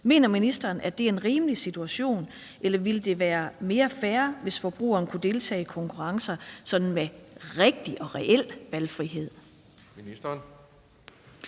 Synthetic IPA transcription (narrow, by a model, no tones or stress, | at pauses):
me̝ːnɐminisd̥ɐːnʔæd̥e̝æenʁiːməlisit͡sʰuæɕo̝̰ːn | ʔelɐʋiləd̥e̝ʋæːɐme̝ːɐfæːɐʋe̝sfɒ̽b̥ʁṵːɐːn̩əkʰud̥e̝lt͡sʰɛ̰ːkʰɒ̽ŋkʰuʁɑ̈ŋsɐsɒ̽d̥n̩meʁeɡ̥̚d̥iʔɒ̽ʁɛʔel̰ʋælfʁiɦe̝ð̰ˠ